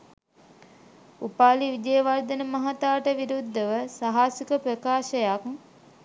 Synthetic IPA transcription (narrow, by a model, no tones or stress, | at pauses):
upaːliʋid̪ejəʋaɾd̪ənəmɐɦat̪aːʈəʋiɾud̪ʱːəʋəsaɦaːsikəpɾəkaːʃəjak